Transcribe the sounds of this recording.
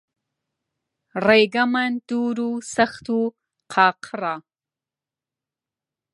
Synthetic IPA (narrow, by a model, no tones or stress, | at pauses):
ɾejɡamand̪̥uɾusaxt̪u | qʰɑːqʰɾa